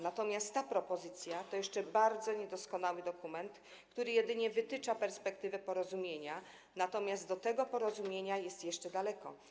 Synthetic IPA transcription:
nat̪ɔmʲjast̪ːapɾɔpɔzɘt̪sʲjat̪ɔjɛʂt͡ʂɛbaɾd̪zɔɲɛd̪ɔskɔnawɘd̪ɔkumɛnt̪ | kt̪uɾɘjɛd̪ɘɲɛvɘt̪ɘt͡ʂapɛɾspɛk̚t̪ɘvɛpɔɾɔzumʲjeɲa | nat̪ɔmʲjast̪d̪ɔt̪ɛɡɔpɔɾɔzumʲjeɲajɛst̪jɛʂt͡ʂɛd̪alɛkɔ

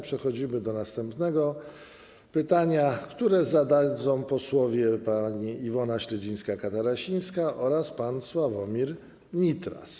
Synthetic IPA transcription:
pʂɛxɔd͡ʑimɘd̪ɔnast̪ɛmpnɛɡɔ | pɘt̪aɲakt̪uɾɛzad̪ad̪zɔ̃w̃pɔswɔvʲjɛpaɲiivɔnaɕlɛd͡ʑij̃skakat̪aɾaɕij̃skaʔɔɾaspanswavɔmʲiɾ | mʲit̪ɾa̰s

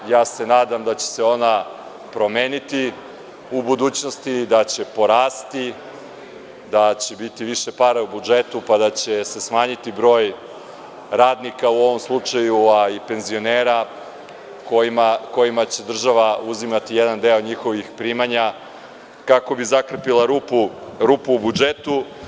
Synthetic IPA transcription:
jaːse̞naːd̪amd̪at͡ɕe̥se̞o̞na | pɾo̞me̞ːnit̪i | ubud̪uːt͡ɕno̞st̪id̪at͡ɕe̞po̞ɾaːst̪i | d̪at͡ɕebit̪iʋiʃe̞paɾaubud͡ʒet̪upad̪at͡ɕe̞se̞smaːɲit̪ibɾo̞ːj | ɾaːd̪nikauo̞ʋo̞mslˠut͡ʂajuaipe̞nzio̞neːɾa | koimako̞jimat͡ɕe̞d̪r̩ʒaʋauzimat̪ijed̪and̪e̞o̞ɲixo̞ʋixpɾimaɲa | kako̞bizakr̩pilˠaɾupuɾupuːbud͡ʒe̞t̪u

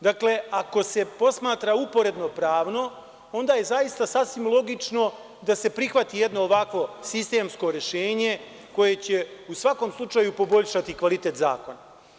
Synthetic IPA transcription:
d̪akle̞ako̞se̞po̞smaːt̪ɾaupo̞ɾe̞d̪no̞pɾaːʋno̞ | o̞nd̪aje̞zajist̪asasʋimlˠo̞ɡit͡ʃno̞ | d̪ase̞pɾixʋat̪ijed̪no̞ːʋakʋo̞sist̪e̞ːmsko̞ɾeʃeːɲe̞ | ko̞je̞t͡ɕe̞usʋako̞mslˠut͡ʃaːjupo̞bo̞ʎʃat̪ikʋalit̪e̞ːt̪za̰ːko̞na

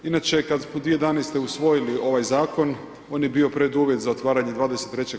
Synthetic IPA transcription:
inat͡ʃe̞kad̪smod̪ʋijed̪aːnest̪e̞usʋo̞jiliʔo̞ʋajzaːko̞n | o̞ːnjebio̞pɾed̪uːʋje̞t̪zao̞t̪ʋaːɾaɲe̞d̪ʋaːd̪eset̪ːɾe̞t͡ɕe

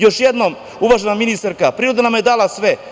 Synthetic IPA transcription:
jo̞ʃjed̪no̞m | uʋaʒenaminist̪aɾkapɾiːɾod̪anamjed̪aːlasʋe

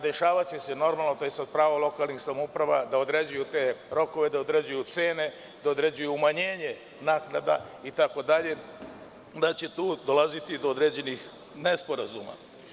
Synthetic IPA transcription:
d̪e̞ʃaːʋat͡ɕe̞se̞no̞ɾmalnot̪oisad̪̚pɾaːʋalo̞kalˠnixsamoupɾaʋad̪ao̞d̪ɾe̞d͡ʑujut̪e̞ːɾo̞ko̞ʋe̞d̪aod̪ɾed͡ʑujut̪se̞ːne̞ | d̪aod̪ɾe̞d͡ʑujuːmaɲe̞ːɲe̞ | naːknad̪a̰it̪ako̞d̪aʎe̞ | d̪at͡ɕe̞t̪uːd̪o̞lˠazit̪id̪ood̪ɾeːd͡ʑe̞nix | nespo̞ɾazṵma̰

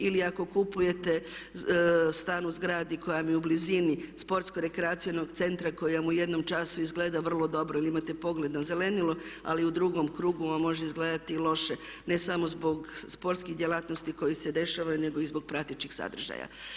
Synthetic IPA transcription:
iliako̞kupuje̞t̪e̞ | st̪aːnuzɡɾaːd̪iko̞jamijeublizinispo̞ɾt̪skoɾe̞kɾeaːt̪sijono̞ɡt̪se̞nt̪ɾakojamuje̞d̪no̞mt͡ʃasuizɡleːd̪aʋr̩lˠo̞d̪o̞bɾoiliimat̪e̞po̞ɡle̞d̪naze̞le̞nilua̰liud̪ɾuɡo̞mkɾuːɡuamo̞ʒeizɡleːd̪at̪ilo̞ʃe | ne̞samo̞zbo̞ɡspo̞ɾt̪skixd̪jelˠat̪no̞st̪iko̞jised̪e̞ʃaʋajune̞ɡo̞izbo̞ɡ̚pɾat̪it͡ʃixsa̰d̪r̩ʒa̰ja̰

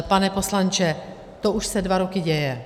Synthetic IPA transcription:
panɛpo̞slant͡ʃɛ | t̪oʔuʃsɛdvaɾokɪɟɛjɛ

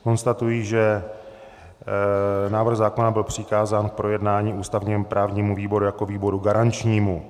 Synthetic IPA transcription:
ko̞nst̪at̪ujiʒɛ | naːvr̩ɣzaːko̞nabɪlpr̝̥ɪkaːzaːnk̚pɾo̞jɛdnaːɲiːʔuːst̪avɲiːmpɾʔaːvɲiːmuviːbo̞ɾujako̞viːbo̞ɾuɡaɾant͡ʃɲiːmu

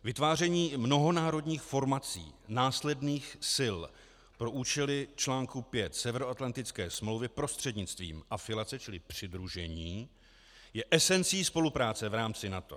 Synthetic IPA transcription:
vɪt̪vaːr̝ɛɲiːmno̞ɦo̞naːɾo̞dɲiːxfo̞ɾmat͡sḭːnaːslɛdniːxsɪl | pɾo̞ʔuːt͡ʃɛlɪt͡ʃlaːŋkupjɛt̪sɛvɛɾoat̪lant̪ɪt͡skɛːsmlowvɪpɾo̞st̪r̝̥ɛdɲɪt͡st̪vḭːmʔafɪlat͡sɛt͡ʃɪlɪpr̝̥ɪd̪ɾuʒɛɲiː | jɛʔɛsɛnt͡siːspo̞lupɾaːt͡sɛvɾaːmt͡sɪnat̪o̞̰

